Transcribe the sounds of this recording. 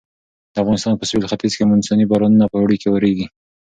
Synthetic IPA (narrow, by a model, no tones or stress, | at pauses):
d̪̥əafɣɑnɪst̪ɑnpəswilxat̪izkemʊnsɑnibɑɾɑnunapəɽikewəɾeɡi